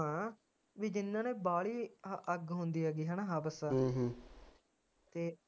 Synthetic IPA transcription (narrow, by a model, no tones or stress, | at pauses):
ãː | ʋiːd͡ʒɪnːãːneːbaːliːəɡɦʊ̃nd̪iːɛːɡiːɦãːnaːɦaːbəsaːɦ | t̪eː